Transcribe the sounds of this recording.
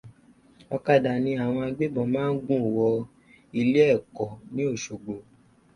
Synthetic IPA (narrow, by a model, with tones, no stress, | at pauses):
ɔ˧ka˦˨da˨nĩ˧a˨w̃ɔ̃˧a˧ɡ͡be˦bɔ̃˨mãː˦n̩˦ɡũ˦˨wɔ˧ | i˧le˦ɛ˦˨kɔ˨nĩ˨˦o˦˨ʃo˨ɡ͡bo˨